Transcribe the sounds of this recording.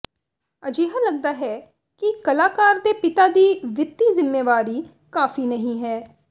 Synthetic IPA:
əd͡ʒeːɦaːləɡ̚d̪aːɦɛː | kɪkəlaːkaːɾd̪eːpɪt̪aːd̪iːʋɪt̪ːiːzɪmːeːʋaːɾiː | kaːfʰiːnəɦĩːɦɛː

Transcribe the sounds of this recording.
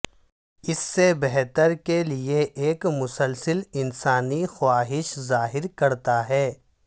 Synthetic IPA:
ɪsːebɛɦt̪əɾkelieʔeːkmʊsəlsəlɪnsaːnixʊwaːɦɪʃzaːɦɪɾkɐɾt̪aɦɛː

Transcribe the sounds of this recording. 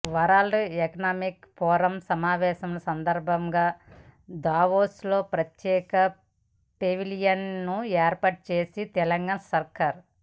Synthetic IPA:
ʋɐɾaːlɛkɐnaːmikpɔːɾɐmsɐmaːʋɛːʃɐmlɐsɐnd̪ɐɾbʱɐmɡaːd̪aːʋoːslo̞ːpɾɐt̪jɛːkɐ | peʋilijɐnːueːɾpaːʈ̚t͡ʃe̞ːsit̪ɛlɐŋɡaːnɐsɐɾkaːɾ

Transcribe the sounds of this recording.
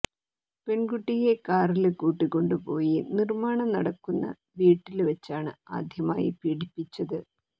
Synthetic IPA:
pe̞nɡuʈːije̞kaːrilkuːʈːikːo̞ɳɖɨpo̞ːjinirmaːɳɐmnɐɽɐkːunːɐ̰ | ʋiːʈːilʋet͡ɕːaːɳɨa̰ːd̪ʱjɐma̰ːjḭpiːɽipːit͡ɕːɐðɨ

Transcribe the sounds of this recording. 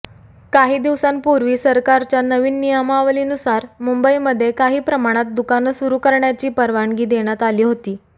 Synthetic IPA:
kaɦiːd̪iʋsanpuɾʋiːsəɾkaɾt͡ɕjanəʋiːnːijəmaʋliːnusaɾmumbəiməd̪ʱːjekaɦiːpɾəmaɽ̃at̪̚d̪ukanəsuɾuːkəɾɳjat͡ɕiːpəɾʋaɳɡiːd̪eɽ̃jat̪aliːɦot̪iː

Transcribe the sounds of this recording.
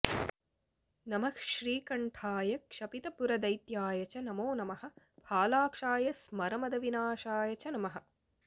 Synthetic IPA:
nɐmɐkʃɾiːkɐɳʈʰaːjɐkʂɐpit̪ɐpuɾɐd̪ɐjt̪jaːjɐt͡ʃɐnɐmoːnɐmɐɦɐ̆ | bʱaːlaːkʂaːjɐsmɐɾɐmɐd̪ɐʋinaːʃaːjɐt͡ʃɐnɐmɐɦɐ̆

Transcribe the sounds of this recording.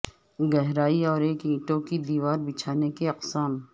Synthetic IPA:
ɡɛɦɾaːiɔːɾeːkĩːʈõkid̪iːʋaːɾbɪt͡ʃʰaːnekeɐqsaːm

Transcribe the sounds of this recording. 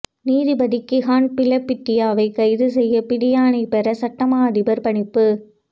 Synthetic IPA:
niːðɪbɐðɪkːɪɦaːnpɪlɐpːɪʈːɪjaːʋɐɪkɐɪðɯsɛjːɐpɪɽɪjaːɳɐɪpɛɾɐsɐʈːɐmaːðɪbɐɾpɐɳɪpːɯ

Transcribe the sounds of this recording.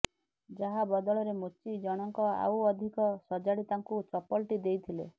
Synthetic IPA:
d͡ʒaɦabɔd̪ɔɭɔɾemot͡ʃid͡ʒɔɽ̃ɔŋkɔa̰wɔd̪ʱikɔsɔd͡ʒaɽit̪aŋkut͡ʃɔpɔlʈid̪ejt̪ʰile

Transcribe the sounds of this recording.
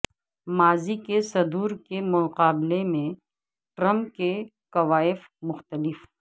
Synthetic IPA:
maːzikesɐd̪uːɾkemʊqaːblemẽ | ʈɾɐ̃mp̚ke | kɐʋaːɪf | mʊxt̪əlɪf

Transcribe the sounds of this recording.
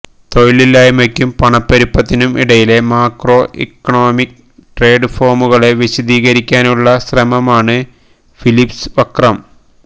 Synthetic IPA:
t̪o̞jililːaːjɐmɐkʲːumpɐɳɐpːɐɾipːɐt̪ːinumiɽɐjile̞maːkro̞ːʔḛkːɐɳo̞ːmikː | ʈreːɖfo̞ːrmuɣɐɭe̞ʋiɕɐd̪iːɣɐɾikʲːaːnuɭːɐɕrɐmɐmaːɳɨ | filipsʋɐkrɐm

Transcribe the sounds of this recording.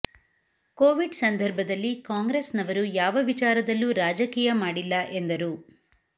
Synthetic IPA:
koːʋiɖsɐnd̪ʱɐɾbʱɐd̪ɐlːikaːŋɡɾesnɐʋɐɾujaːʋɐʋit͡ʃaːɾɐd̪ɐlːuɾaːd͡ʒɐkiːjɐmaːɽilːɐʔe̞nd̪ɐɾu

